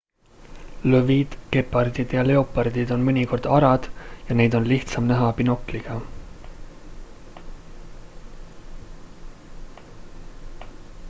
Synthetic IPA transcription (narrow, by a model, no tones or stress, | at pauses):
løvid̪̥ke̞pːˑɑrd̪id̪̥jɑle̞opːˑɑɾd̪̥id̪̥o̞nmɤnʲiko̞rd̪̥ɑɾɑd̪̥jɑne̞jd̪̥o̞nliht̪sɑmnæɦɑpinokːˑliɡ̥ɑ